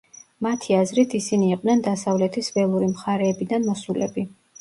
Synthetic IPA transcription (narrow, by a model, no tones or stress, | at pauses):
mat̪ʰiazɾit̪ʰisiniːqʼnɛnd̪asavlɛt̪ʰisvɛlˠuɾimχaɾɛːbid̪anmɔsulɛbi